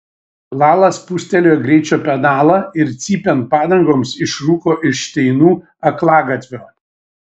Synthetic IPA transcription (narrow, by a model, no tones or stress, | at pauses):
lˠɑːlˠɐspusʲt̪ʲɛlʲoːjɡɾʲɛɪt͡ʃʲoːpʲɛd̪ɑːlˠɐɪɾt̪sʲiːpʲɛnpɑːd̪ɐŋɡoːmsɪʃɾuːkoːʔɪʃt̪ʲɛɪnuː | ɐklˠɑːɡɐt̪ʲʋʲoː